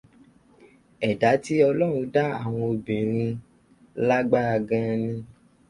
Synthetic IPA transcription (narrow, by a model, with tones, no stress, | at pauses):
ɛ˨da˨˦ti˦ɔ˧lɔ˦˨ɾ̃ũ˨˧da˦a̰˦˨w̃ɔ̃˧o˧bĩ˨ɾ̃ĩ˧ | la˦ɡ͡ba˦a˧ɡã˦nĩ˧